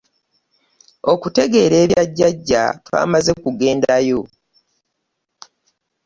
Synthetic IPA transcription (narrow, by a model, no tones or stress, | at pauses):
o̞kute̞ɡe̞ːɾe̞ːβjaɟːaɟːa̰twa̰ːmaze̞kuɡe̞ːndajo̞